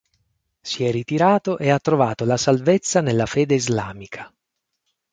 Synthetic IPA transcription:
siɛrːit̪iɾaːt̪oʔeat̪ːɾovaːt̪olasalvet̪sːanelːafeːd̪eizla̰ːmikʰḁ

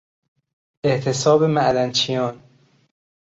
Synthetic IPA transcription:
ʔeʔt̪ʰesɒːbemæʔlænt͡ʃʰijɒːn

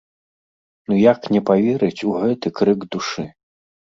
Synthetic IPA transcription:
nujaknʲɛpavʲɛɾɨt͡sʲuɣɛt̪ɨkɾɨɡd̪uʂɨ

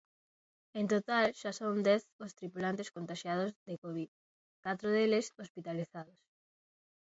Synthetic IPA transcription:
ent̪ot̪alʃasownd̪ɛθost̪ɾipulant̪eskont̪aʃjað̞ozðekoβið | kat̪ɾoðelesospit̪aliθaðos

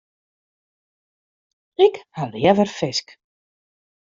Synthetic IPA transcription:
ɪkhadəjɛvərfɪsk

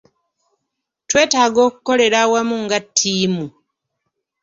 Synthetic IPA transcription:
twe̞ːtaːɡo̞ːkuko̞le̞ɾawamuŋɡatʰːiːmu

